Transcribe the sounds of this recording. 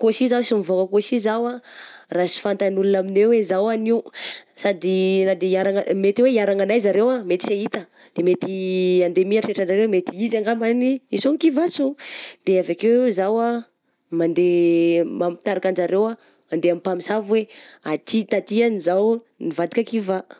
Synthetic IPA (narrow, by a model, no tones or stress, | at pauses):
kosizawsimivokəkosizawarasi̥fant̪anulunaminewezawaniusad̪inad̪eiaɾaŋamet̪weiaɾaŋanajzaɾewamet̪i̥seit̪ə | d̪̥emet̪iand̪emiaʈ͡ʂeʈ͡ʂanaɾewmet̪iizaŋɡamaniisoŋkivasod̪̥eavakewzawa | mand̪emampi̥t̪aɾakand͡ʒaɾewa | mand̪eamipamisavweat̪ʰit̪at̪ianizaw | nivad̪ikakiva